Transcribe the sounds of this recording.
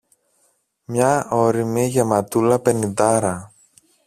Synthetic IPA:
mɲɐoɾimiʝe̞mɐt̪ulɐpe̞nind̪ɐɾɐ

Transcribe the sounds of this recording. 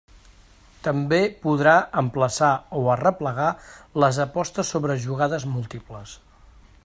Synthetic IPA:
t̪əmbepuðɾaəmpləsaoərəpləɣ̞aləzəpɔst̪əsːoβɾəʒuɣaðəzmulˠt̪ipləs

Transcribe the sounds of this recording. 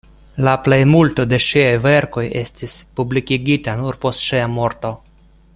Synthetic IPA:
laple̞jmulto̞de̞ʃiajve̞ɾko̞je̞stispublikiɡitanuɾpo̞stʃiamo̞ɾto

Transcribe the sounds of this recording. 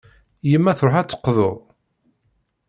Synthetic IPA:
jəmːæθɾˤʊħæt͡sːə̥qːðʊɾˤ

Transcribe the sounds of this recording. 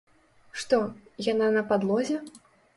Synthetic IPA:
ʂt̪ɔjananɐpad̪lˠɔzʲɛ

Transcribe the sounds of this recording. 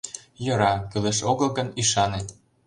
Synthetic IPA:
jɤ̆ɾɑkyleʃoɣəlɣəniʃɑnet̪

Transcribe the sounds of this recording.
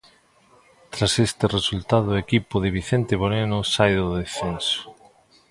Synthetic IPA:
t̪ɾasest̪eresult̪aðʊekipoðeβ̞iθent̪eβoɾenosajðoðeθenso̥

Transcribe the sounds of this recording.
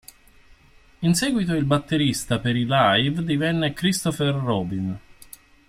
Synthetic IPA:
insɛːɡwit̪oilbat̪ːeɾist̪apeɾilajvd̪ivɛnːekɾist̪oferːɔːbin

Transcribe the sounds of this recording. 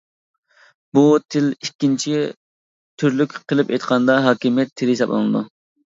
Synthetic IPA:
but̪ʰɪlikʲːint͡ʃʰi | t̪ʰyɾlykʲqʰəlˠɪpḛjt̪qʰɑnd̪ɑɦɑːkʲimijɛt̪ʰːɪljisɑplˠɨ̰nɨ̰d̪u

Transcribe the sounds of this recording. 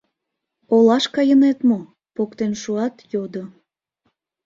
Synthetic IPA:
olɑʃkɑjənet̪mo | pokt̪enʃuɑt̪jod̪o

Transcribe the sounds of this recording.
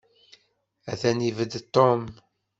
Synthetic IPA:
æθænivəd̪t̪ˤːom

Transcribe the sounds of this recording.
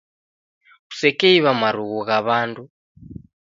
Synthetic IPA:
ɣu̥sɛkeiβamaɾuɣuɣaβaːndu

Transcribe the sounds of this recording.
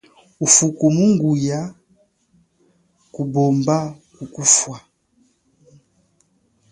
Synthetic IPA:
ufukumuŋɡuja | kubɔmbakukufwa

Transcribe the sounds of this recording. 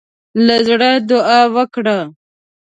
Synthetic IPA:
lazɽad̪ʊɑwəkɽa

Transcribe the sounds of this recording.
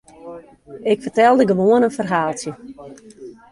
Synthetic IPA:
ɪkfərtɛlˠdəɡəʋoənənfərɦaːlˠtjə

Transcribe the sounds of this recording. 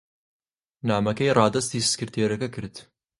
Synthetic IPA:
naːmɐkɐjɾˤɑːd̪ɐst̪iːsskɨɾt̪ʰeːɾɐkɐkɪɾt̪

